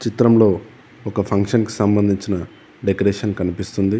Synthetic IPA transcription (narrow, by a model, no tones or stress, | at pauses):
t͡ʃit̪ɾɐmlo̞ː | ɔkɐpʰɐŋkʂɐnki̥sɐmbɐnd̪ʱiɲt͡ʃinɐ | ɖekɐɾeːʂɐnkɐnipist̪und̪i